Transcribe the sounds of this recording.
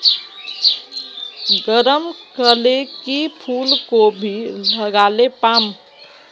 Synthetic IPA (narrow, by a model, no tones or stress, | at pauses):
ɡəɾəmkəlekipʰulkobʱiləɡalepam